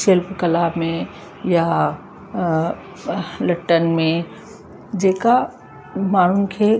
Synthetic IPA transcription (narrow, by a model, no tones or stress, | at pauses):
ʃelpkɐlaːbmẽ | ja | lɐʈːənmẽ | d͡ʑeːka | maːɳ̤unɪ̆kʰeː